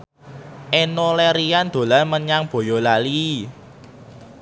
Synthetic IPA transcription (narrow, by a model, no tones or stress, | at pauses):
ʔenoleɾiand̪̥o̤laməɲaŋb̥o̤jɔlali